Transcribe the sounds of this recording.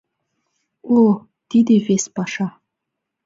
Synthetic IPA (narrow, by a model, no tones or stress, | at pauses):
o | t̪id̪evesʲpɑʂɑ